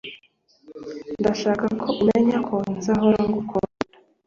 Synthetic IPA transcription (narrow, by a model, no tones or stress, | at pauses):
ndaʃaːkakʰoʔumeɲakʰonzaɦoɾaŋɡukʰoɾa